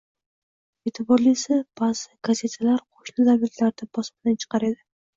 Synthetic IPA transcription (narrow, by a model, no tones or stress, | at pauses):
et̪ʰɪbɒɾlisɪb̥az̥ɪɡaze̞t̪ʰalaɾqʰo̥ʃnɪd̪abit̪laɾd̪abɒsmɪd̪ant͡ʃʰɨ̥qɑɾe̞d̪ɪ